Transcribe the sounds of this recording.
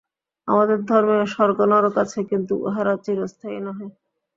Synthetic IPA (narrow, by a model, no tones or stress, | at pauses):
a̰mad̪eɾd̪ʱɔɾmeʃɔɾɡonɔɾokat͡ɕʰekint̪uʔɦaɾat͡ɕiɾost̪ʰainɔɦe